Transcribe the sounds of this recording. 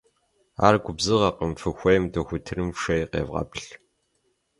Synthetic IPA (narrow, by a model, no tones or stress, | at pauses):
a̰ːrɡʷʊbzɨʁɐqəmfɨxʷɐjmdʰɐxʷʊtʰɨrɨmʂɐjqḛːvʁɑ̰pɬ